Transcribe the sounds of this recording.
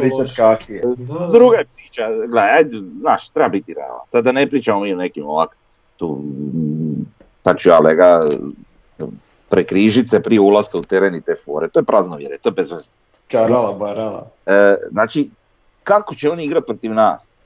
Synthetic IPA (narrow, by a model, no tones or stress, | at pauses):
pɾit͡ʃat̪kakied̪ɾuɡajepɾiːt͡ʃaɡled̪ajajd̪znaːʃt̪ɾebabit̪iɾḛa̰lna̰sad̪d̪anepɾiːt͡ʃamomiːunekimoʋak | t̪uː | t̪at͡ʃialeɡa | pɾekɾiːʒit̪sepɾijeulˠaskaut̪eɾenit̪e̞ːfo̰ːɾet̪ojepɾʔaznoʋjeɾet̪ojebezʋeza | kaɾalabaɾalˠa̰znaːt͡ʃi | kakot͡ɕeo̞niiɡɾat̪̚pɾot̪iʋnaːs